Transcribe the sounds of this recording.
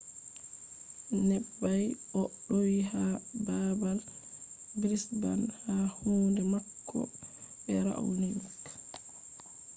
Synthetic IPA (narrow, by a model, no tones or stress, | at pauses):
nɛbːajʔɔɗowiɦababal | bɾisba̰nhahuːndɛmakʰːɔ̰ɓɛɾa̰ʔwnimik